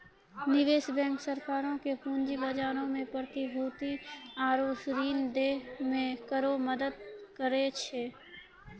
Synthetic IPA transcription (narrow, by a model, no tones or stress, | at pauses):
nɪʋeːsbɛ̃ːŋksəɾkaːɾõkepũːɲd͡ʒibəd͡ʒaːɾõmẽpɾət̪ibʱoːt̪iaːɾoːsɾiːnd̪eːmẽkəɾoməd̪əd̪̚kəɾet͡ʃʰeː